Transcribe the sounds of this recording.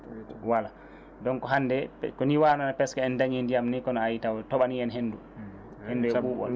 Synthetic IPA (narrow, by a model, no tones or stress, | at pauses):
wala | dɔnkɔɦandɛkɔniwaːnanapɛskaɛndaɲɛndijamnikɔnɔajitawɔtɔɓaniɛnɦendu | henːduɛuɔ